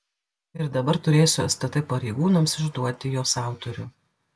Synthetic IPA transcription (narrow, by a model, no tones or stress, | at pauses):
ɪɾd̪ɐbɐɾt̪ʊɾʲeːsʲʊɐsʲt̪ɐt̪ɐɪpɐɾʲɛɪɡuːnɐmsɪʒd̪uɔt̪ʲɪjoːsɑˑʊt̪ɔɾʲʊ